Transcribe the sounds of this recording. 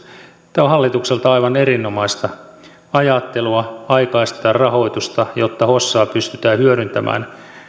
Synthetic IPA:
t̪ːæohɦɑlːit̪ukselt̪ɑɑiʋɑneɾinːomɑist̪ɑ | ɑjɑt̪ːeluɑɑikɑist̪ɑɑrɑho̞it̪ust̪ɑjot̪ːɑhosːɑːpyst̪yt̪æːhyøɾynt̪æmʔæ̰ːn

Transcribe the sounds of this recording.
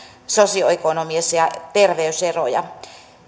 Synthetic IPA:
sosioekonomiesjɑt̪erʋeysero̰jɑ̰

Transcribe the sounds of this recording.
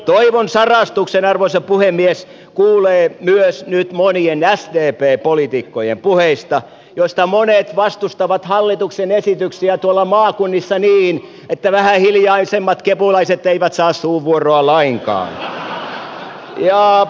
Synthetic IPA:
t̪oiʋonsɑrɑst̪uksenɑrʋoisɑpuhemːies | kuːleːmyøsnyt̪monienæsd̪eːpeːpolit̪ikːojḛmpuheist̪ɑ | jost̪ɑmonet̪ʋɑst̪ust̪ɑʋɑt̪hɑlːit̪uksenesit̪yksiæt̪uolːɑmɑːkunːisːɑniːn | et̪ːæʋæhæhiljɑisemːɑt̪kepulɑiset̪ːeiʋæt̪sɑːssuːʋːuoroɑlɑiŋkɑ̰ːn | jɑː

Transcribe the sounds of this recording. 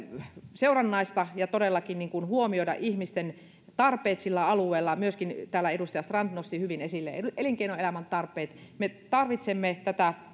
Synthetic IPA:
seurɑnːɑist̪ɑjɑt̪odelːɑkinniːŋkunhuomioidɑ̰ʔihmist̪en | t̪ɑrpˑeːt̪silːæɑlueːlːɑmyøskint̪æːlːæedust̪ɑjɑst̪rɑnt̪nost̪ihyʋinesilːḛʔeliŋkeinoelæmænt̪ɑrpˑeːt̪met̪ɑrʋit̪semːet̪æt̪æ

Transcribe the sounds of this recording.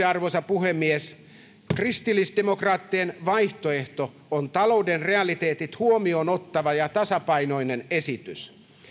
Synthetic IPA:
ɑrʋosɑpuhemːies | krist̪ilːisdemokrɑːt̪ːienʋɑijht̪oe̞ht̪o | ont̪ɑlo̞udenre̞ɑlit̪eːt̪it̪huomiono̞t̪ːɑʋɑjɑt̪ɑsɑpɑino̞inenesit̪ys

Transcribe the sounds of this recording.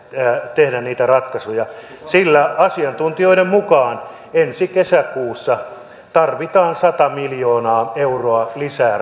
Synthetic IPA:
t̪ehdænniːt̪ærɑt̪kɑsujɑ | silːæɑsiɑnt̪unt̪ioiɾemmukɑːn | ensikesækuːsːɑ | t̪ɑrʋit̪ɑːnsɑt̪ɑmiljoːnɑːeuroɑlisæː

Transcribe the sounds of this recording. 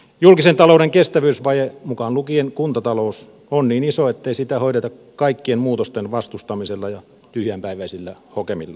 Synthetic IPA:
julkisent̪ɑloudeŋkest̪æʋyːsʋɑjemukɑnlukienkunt̪ɑt̪ɑlous | onniːnisoet̪ːeisit̪æhoiɾet̪ɑk | kɑikːienmuːt̪ost̪enʋɑst̪ust̪ɑmiselːɑjɑ | t̪yhyæmpæiʋæisilːæhokemilːɑ

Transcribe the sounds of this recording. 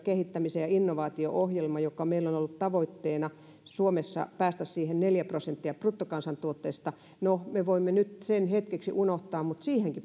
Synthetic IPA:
kehit̪ːæmisejɑinːoʋɑːt̪io̰ʔohjelmɑjokːˑɑmeilːonolːut̪tɑʋoit̪ːeːnɑ | suomesːɑ̰pæːst̪æssiːhenneljæprosent̪ːiɑprut̪ːokɑnsɑnt̪uot̪ːeːst̪ɑ | nomeʋoimːenyt̪senhet̪keksḭʔunoht̪ɑːmmut̪siːheŋki

